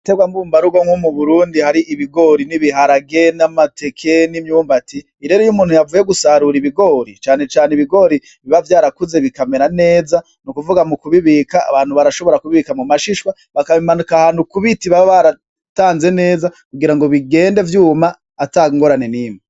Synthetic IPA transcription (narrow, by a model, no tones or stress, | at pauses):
teɡwambuːmbaɾuɡoŋwomuβuɾuːndihaɾiʔiβiɡo̞ɾiniβiɦaɾaɡe̞namate̞kʰenimɲuːmbatiːɾe̞ːɾojumuːnhujavujeɡusaɾuɾiβiɡo̞ɾit͡ʃaːne̞t͡ʃaːneiβiɡo̞ɾi | βiβavjaːɾakuze̞βikameɾane̞ːza | nukuvuɡamukuβiβiːka̰ːβaːn̥huβaɾaʃo̞βo̞ɾakuβiβikamumaʃiʃwa | βakaβimanukahanukuβitiβaβaɾa | taːnze̞ne̞ːza | kuɡiɾaŋɡo̞βiɡe̞ːnde̞vjuːmaː | taŋɡo̞ɾane̞niːme